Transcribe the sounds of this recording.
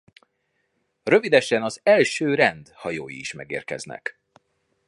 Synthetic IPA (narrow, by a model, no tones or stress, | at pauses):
rø̞vid̪ɛʃɛnɒzɛlʃøːɾɛnd̪hɒjoːjḭːʃmɛɡeːrkɛ̰znɛ̰k